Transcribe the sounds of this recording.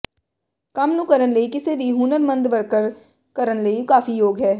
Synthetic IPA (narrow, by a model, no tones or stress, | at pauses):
kɐmnũkəɾənleikɪsebʱiɦuːnəɾmɐ̃nd̪ʋɐɾkəɾ | kɐɾənleikaːfijoːɡɦɛː